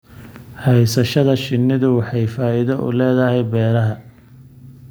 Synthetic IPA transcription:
hɛjsɐʃɐðɐʃɪnːɪðʊwɑħɑjfaːɪðɐʔʊ̰lɛːðɐɦɛjbɛːɾɐɦɐ

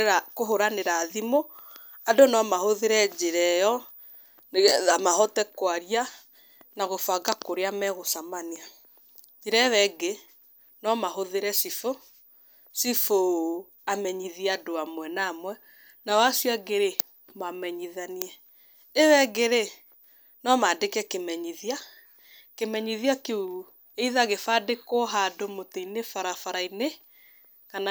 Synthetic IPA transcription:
akoɦoɾaneɾaːðimo | adonɔmahoðeɾɛd͡ʒeɾɛjɔ | amahɔtɛkwaɾia | naɣofaɡakoɾeamɛɣosamanea | d͡ʒeɾɛβɛɡe | nɔmaɦoðeɾɛsifo | sifo | amɛɲiðiɛadoamwɛnamwɛ | nawasjaɡeɾe | mamɛɲiðaniɛ | ewɛɡeɾe | nɔmadekɛkemɛɲiðja | kemɛɲiðiakeu | eiðaɣefadekoɦadomoteinefaɾafaɾaine | kana

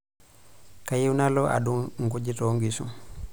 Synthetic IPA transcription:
kajiwnalɔʔa̰ɗunŋɡuɟitɔŋɡisṵm

